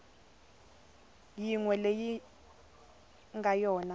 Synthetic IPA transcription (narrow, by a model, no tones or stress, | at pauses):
jiŋwɛleji | ŋɡʱajɔːna